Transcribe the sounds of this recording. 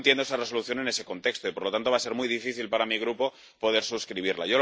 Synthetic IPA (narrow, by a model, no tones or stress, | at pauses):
nt̪jend̪oesareso̞luθjo̞ne̞ne̞se̞ko̞nt̪e̞kst̪oipoɾlot̪ant̪o̞βase̞ɾmujðifiθilpaɾamiɣ̞ɾupo̞ | po̞ð̞e̞ɾsuskɾiβ̞iɾla̰ʝo̞